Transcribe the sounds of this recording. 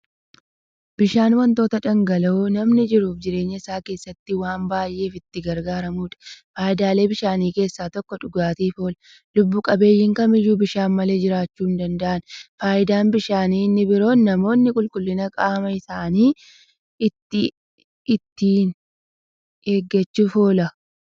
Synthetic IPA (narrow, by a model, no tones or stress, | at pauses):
b̥ɪʃaːnwɐnt̪o̞ːt̪ɐᶑɐŋɡɐlɐunɐmnɪd͡ʒɪɾuːfd͡ʒɪɾe̞ːɲːɐɪsaːke̞ːsːɐt̪ːɪwaːmbaːjʔːe̞ːfɪt̪ːɪɡɐɾɡaːɾɐmuːᶑɐ̥faːjɪd̪aːle̞ːbɪʃaːniːke̞ːsːaːt̪ɔkːɔᶑʊɡaːt̪iːfo̞ːl | lʊbːukʼɐbe̞ːjːɪŋkɐmɪjuːbɪʃaːnmɐle̞ːd͡ʒɪɾaːt͡ʃːuːnd̪ɐnd̪ɐʔɐnfaːʔɪd̪aːnbɪʃaːniːnːɪbɪɾo̞ːnːɐmo̞ːnːɪkʼʊlkʼʊlːɪnɐkʼaːmɐɪsaːniː | ɪt̪ːɪ | ɪt̪ːiːn | eːɡːɐt͡ʃːufo̞ːlɐ